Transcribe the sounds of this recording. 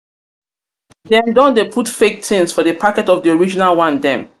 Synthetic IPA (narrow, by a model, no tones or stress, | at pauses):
dɛ̃mdɔ̃ndepʰutfek̚tĩnsfɔdəpʰakɛtɔvdiɔɹid͡ʒinalwãndɛ̃m